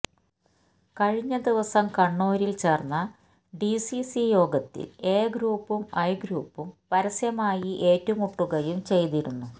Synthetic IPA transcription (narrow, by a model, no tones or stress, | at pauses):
kɐɻiɲːɐd̪iʋɐsɐmkɐɳːoːɾilt͡ɕe̞ːrnːɐ | ɖisisijo̞ːɡɐt̪ːḭle̞ːɡɾuːpːumɐjɡɾuːpːumpɐɾɐsjɐmaːjiʔe̞ːtːumuʈːuɣɐjumt͡ɕe̞jt̪iɾunːu